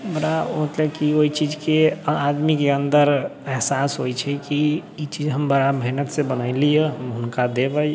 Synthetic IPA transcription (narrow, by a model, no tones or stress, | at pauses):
mɾaomət̪ləkioit͡ʃid͡ʒkead̪mikeənd̪əɾɛɦsasɦojt͡ʃʰɛkiːt͡ʃid͡ʒɦəmbəɾabʱenət̪sebənəɪlijəɦəmɦunkad̪ebəj